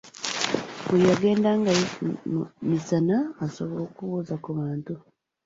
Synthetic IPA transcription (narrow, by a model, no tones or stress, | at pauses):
βujaɡe̞ːndaŋɡaji | misanaːsoβooːkuβuːzakuβaːntu